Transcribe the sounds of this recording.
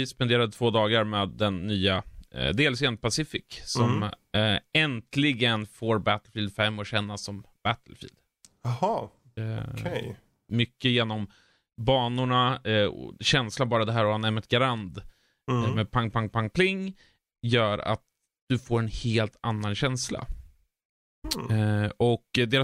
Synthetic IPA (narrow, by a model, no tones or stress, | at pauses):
ɪspɛnd̪eːɾad̪ət̪ʰvoːd̪ɑːɡaɾmeːd̪ːɛnːyːad̪eːlseːnd̪̚pʰasɪfɪksɔm | ɛnt̪ʰlɪɡənfoːɾbæt̪lfiːld̪fɛmːɔɕɛnːasːɔmb̥æt̪ʰəlfḭːld̪ | hɑ | mʏkːəjeːnɔm | bɑːnʊɳaɔ̰ɕɛnslabɑːɾad̪ɛɦæːɾɔanɛɾmɛt̪̚ɡaɾand̪ | mɛpʰaŋpʰaŋpʰaŋpʰlɪŋː | jœːɾa̰t̪̚ | d̪̥ɵfoːɾɛnheːlt̪ʰanːanɕɛnsla̰ | ɔkd̪eːɾa